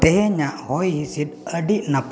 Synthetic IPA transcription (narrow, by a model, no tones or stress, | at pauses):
t̪ɛɦɛɲaʔhɔjhisid̪əɖiʔnap